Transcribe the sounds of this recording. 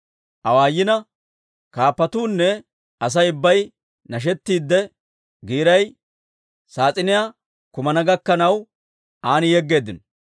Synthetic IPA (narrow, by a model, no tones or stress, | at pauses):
ʔɐwaːjːɪnɐ | kaːpːɐt̪uːnːɛ | ɐs̬ɐjʊbːɐj | nɐʃ̬ɛt̪ːiːd̪ːɛ | ɡiːɾɐj | saːt͡sʼɪnɪjaː | kʊmɐnɐɡɐkːɐnɐw | ʔaːnɪjɛɡːe̞ːd̪ɪn